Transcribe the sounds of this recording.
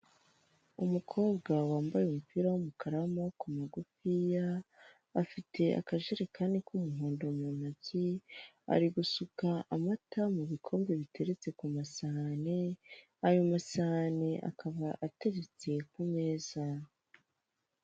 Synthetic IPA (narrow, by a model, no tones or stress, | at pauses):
umukʰo̞ːbɡawaːmbajemupiɾawumukʰaɾamokumaɡufijaː | fitʰe̞a̰kaʒeɾekʰaːndikʰumuɦoːndomamazi | a̰ɾiɡusukaʔamatamuβikʰo̞ːmbe̞βitʰe̞ɾet͡se̞kumasane | ajomasaneʔa̰kʰaβaʔate̞ɾet͡se̞kume̞ːz̥a